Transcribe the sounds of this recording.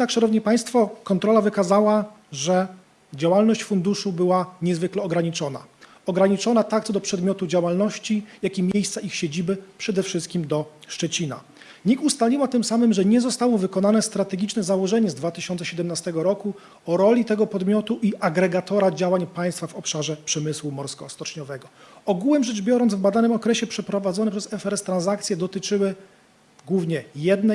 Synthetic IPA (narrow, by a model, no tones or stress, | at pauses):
jɛd̪nakʂanɔvɲɛpaj̃st̪fɔkɔnt̪ɾɔlavɘkazawaʐɛ | d͡ʑawalnɔɕt͡ɕfund̪uʂubɘwaɲɛzvɘklɛɔɡɾaɲit͡ʂɔna̰ | ɔɡɾaɲit͡ʂɔnat̪akt̪sɔd̪ɔpʂɛd̪mʲɔt̪ud͡ʑawalnɔɕt͡ɕijakʲimʲjejst̪saʔixɕed͡ʑibɘpʂɛd̪ɛfʂɘst̪̚kʲimd̪ɔʂt͡ʂɛt͡ɕina̰ | ɲikust̪alʲiwat̪ɘmsamɘmʐɛɲɛzɔst̪awɔvɘkɔnanɛst̪ɾat̪ɛɡʲit͡ʂnɛzawɔʐɛɲɛzd̪vat̪ɘ̥ɕɔnt̪sɛɕɛd̪ɛmnast̪ɛɡɔɾɔku | ɔɾɔlʲit̪ɛɡɔpɔd̪mʲjɔt̪uʔiʔaɡɾɛɡat̪ɔɾad͡ʑawaɲpaj̃st̪favɔpʂaʐɛpʂɛmɘswumɔɾskɔst̪ɔt͡ʂɲɔvɛɡɔɔɡuwɘmʐɛʐbʲjɔɾɔnd̪zvbad̪anɘmɔkɾɛɕɛpʂɛpɾɔvad̪zɔnɛpʂɛzɛfɛɾɛst̪ɾanzakt̪sʲjɛd̪ɔt̪ɘt͡ʂɘwɘ | ɡwuvɲɛjɛd̪nɛ